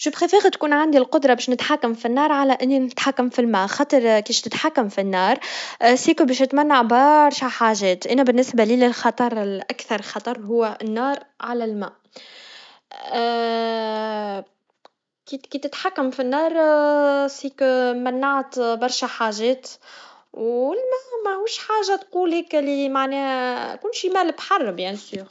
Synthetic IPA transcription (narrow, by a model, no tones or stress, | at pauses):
ʃʊbxifiːɣæt̪kuːnʕand̪ilqʊd̪ɾˤɑbɛːʃnɪt̪ħakːamfinːɑːɾˤʕalæʔɪnːinɪt̪ħakːamfilmæːʔxɑːt̪ˤɑɾˤkiːʃt̪ɪt̪ħakːamfinːɑːɾˤsiːkubɛːʃɪt̪mænːaʕbɑɾˤʃæħaːʒɛːt̪ʔænæbɪnːɪsbæliːlɪlxɑt̪ˤɑɾˤɪlʔækθɑɾˤlxɑt̪ˤɑɾˤɦʊwːæʔɪnːɑːɾˤʕalælmæ̰ːʔ | kit̪kiːt̪ːɪt̪ħakːæmfinːɑːɾˤ | siːkmænːaʕat̪bɑɾˤʃæħaːʒɛːt̪ | wɪlmæmæhuːʃħaːʒːat̪quːlikɪlimaʕnɛːhkuːnʃimæːlbħɑrˤːɑbjanisyɣ